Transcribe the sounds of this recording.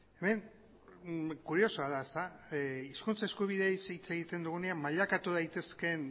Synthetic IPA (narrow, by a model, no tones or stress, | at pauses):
e̞me̞n | kuɾio̞soaðaest̪aiskunt͡saeskuβiðesit͡se̞ɣit̪e̞nd̪uɣune̞ammːaʎakat̪uð̞ajt̪e̞ske̞n